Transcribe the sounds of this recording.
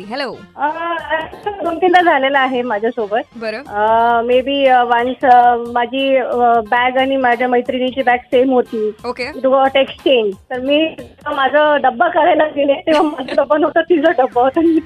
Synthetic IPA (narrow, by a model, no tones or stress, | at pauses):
ɦloəat̪əɡʱəmt̪ilad͡zʱalelaaɦemad͡ʑʱjasobət̪̚bəɾomebʱiːʋansmad͡ʑʱiːbæɡaɽ̃imad͡ʑʱjaməjt̪ɾinit͡ɕiːbæɡsemɦot̪iːokeit̪ukaʈekst͡ɕeɲd͡ʑt̪əɾmiːt̪it̪ukamad͡zʱəɖəbːakəɭajlaɡilek̪ĩʋ̤amad͡zʱəɖ̪əbːanot̪ət̪id͡zəɖəbːaɦot̪ani